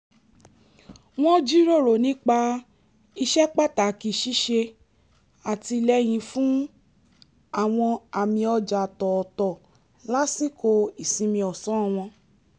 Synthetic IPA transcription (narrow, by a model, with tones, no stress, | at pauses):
w̃ɔ̃˦d͡ʒi˦ɾo˦˨ɾo˨nĩ˨˦k͡pa˧ | i˧ʃɛ˦k͡pa˦˨k͡pta˨ki˧ʃi˦ʃe˧ | a˨ti˧lɛ˦j̃ĩ˧fũ˦ | a˦˨w̃ɔ̃˧a˨mĩ˧ɔ˧d͡ʒa˨tɔ˨tɔ˨ | la˦si˦ko˧i˨sĩ˧mĩ˧ɔ˨sɔ̃˨˦˨w̃ɔ̃˧